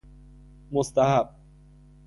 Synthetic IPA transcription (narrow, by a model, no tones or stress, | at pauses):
most̪aɦab̚